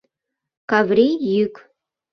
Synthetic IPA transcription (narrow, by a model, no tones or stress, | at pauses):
kɑvɾijyk